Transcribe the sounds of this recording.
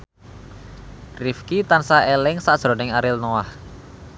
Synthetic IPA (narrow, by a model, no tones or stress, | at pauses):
rifkit̪ansaʔelɪŋsaʔd̥ʒ̥ɾɔ̤nɪŋaɾɪlnoah